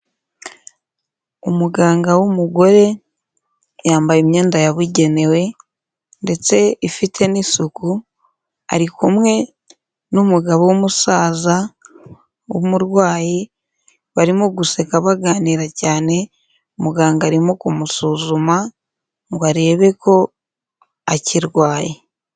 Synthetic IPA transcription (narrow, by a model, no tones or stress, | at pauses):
umuɡaːŋɡawumuɡo̞ɾe̞ | jaːmbajimɲeːndajaβiɟe̞ne̞we̞ | nde̞t͡se̞ifitʰe̞nisuku | a̰ɾikumŋe̞ | numuɡaβowomusaːza | omuɾwaːji | βaɾimoɡuse̞kaβaɡaːniɾacaːne̞ | umuɡaːŋɡaːɾimokumusuzuma | ŋɡwaɾe̞ːβe̞kʰo̞ | aciɾwaːji